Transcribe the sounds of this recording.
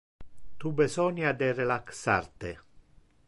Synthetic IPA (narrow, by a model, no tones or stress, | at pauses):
t̪ubesɔnjad̪erelaksa̰rt̪e